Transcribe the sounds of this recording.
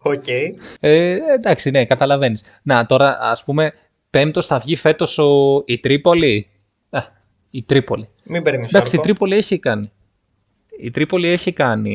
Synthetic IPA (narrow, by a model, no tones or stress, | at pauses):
ocejend̪ɐksine̞kɐt̪ɐlɐve̞nis | nɐt̪o̞ɾɐɐ̰spume̞ | pe̞mt̪o̞sθɐvʝife̞t̪o̞soit̪ɾipo̞li | ɐ | it̪ɾipo̞li | mibeɾnisd̪ɐkssit̪ɾipo̞lie̞çikɐni | it̪ɾipo̞lie̞çikɐnḭ